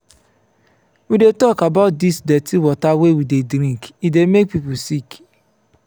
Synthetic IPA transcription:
widetɔkabaʊt̚disdɛtʰiwɔtawewidedɾĩŋkidemek̚pipusik

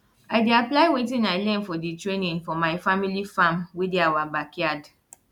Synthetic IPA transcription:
aɪdiaplaɪwetɪ̃naɪlɛ̃nfɔditɾenĩnfɔmaɪfamilifãmwediawabakiad

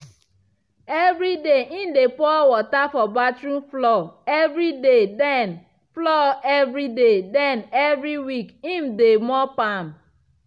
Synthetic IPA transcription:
evɾideʔĩmdepɔwɔtafɔbatɾũmflɔevɾidedɛn | flɔɛvɾidedɛnɛvɾiwikĩm̩demɔpam̩

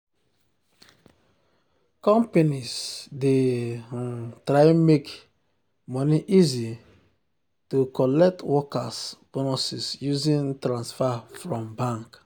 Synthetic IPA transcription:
kɔ̃mpenisde | tɾaɪmek | mɔniʔizi | tukɔlɛk̚twɔkasb̥onɔsisjuzĩntɾãnsfafɹɔ̃mbãŋk

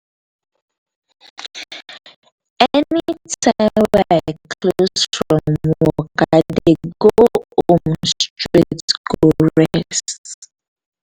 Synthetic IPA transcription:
ɛnitaɪmakʰlosfɹɔ̃mwɔkadeɡoõmstɹitɡɔɹɛs

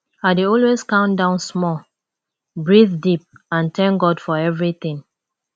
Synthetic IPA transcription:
aɪdeɔlweskãʊ̃ndãʊ̃nsmɔl | bɹiθdip̚ãntɛ̃ŋɡɔdfɔɛvɹiθĩŋ

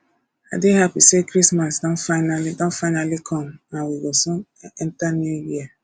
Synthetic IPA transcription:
a̰deɦapisekɾismasdɔ̃nfanalidɔ̃nfaɪnalikʰɔmnawiɡɔsɔ | ɛn̩tanejia

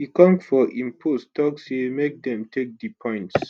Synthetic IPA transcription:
hikɔ̃mfɔʔĩmpʰotstʰɔkshimek̚dɛ̃mtʰek̚dipʰɔ̃ɪ̃nts

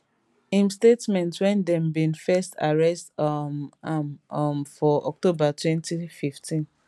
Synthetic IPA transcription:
ĩmstetmɛ̃ntswɛ̃ndɛ̃mbĩnfɛsta̰ɹɛstmammfɔʔɔ̰k̚tobatwɛ̃ntififtʰĩn

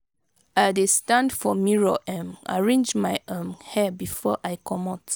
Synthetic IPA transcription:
adestãndfɔmiɹoʔɛ̃ma̰ɹẽnd͡ʒmajʔãmhɛbifɔ̰ʔajkʰɔmɔt

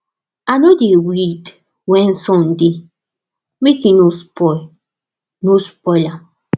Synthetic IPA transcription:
anodewit | wɛ̃nsɔ̃ndi | mekinuspɔl | nuspɔla

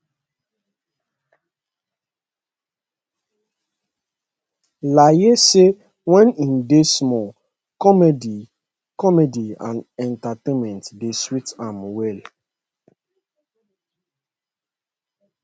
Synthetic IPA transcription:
lajese | wɛ̃nĩndesmɔ | kɔmedi | kɔmediã̰nɛntatẽnmɛ̃ntdeswitãmwɛl

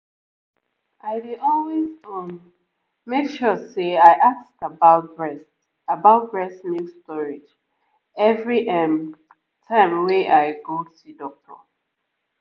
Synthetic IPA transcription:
ʔaɪdiɔlwezɔn | mekʃɔseaɪʔakstəbaʊtbɹɛs | abaʊt̚bɹɛstnjustɔɹɪd͡ʒ | ɛvɹiʔɛm | tʰãɪ̃mweʔaɪɡosidɔk̚tʰə̰

